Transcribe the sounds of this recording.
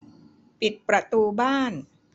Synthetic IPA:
pi˨˩t̪̚pɾa˧t̪uː˧baː˥˩n

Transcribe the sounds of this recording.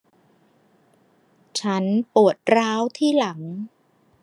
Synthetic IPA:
t͡ɕʰa˦˥npu˨˩ət̪̚ɾaː˦˥wt̪ʰiː˥˩la˩˦ŋ

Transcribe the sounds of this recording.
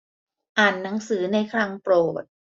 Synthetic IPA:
ʔaː˨˩nːa˩˦ŋsɯː˩˦na˧jkʰɾa˧ŋpɾoː˨˩t̪̚

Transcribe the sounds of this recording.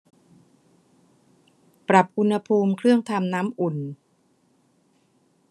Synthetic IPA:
pɾa˨˩p̚ʔu˧nha˧pʰuː˧mkʰɾɯ˥˩əŋt̪ʰa˧mnaː˦˥mʔu˨˩n

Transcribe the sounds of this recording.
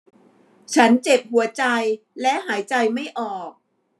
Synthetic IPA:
t͡ɕʰa˦˥nt͡ɕe˨˩p̚hu˩˦ɐt͡ɕa˧j | lɛ˦˥ɦaː˩˦jt͡ɕa˧jma˥˩jʔɔː˨˩k̚

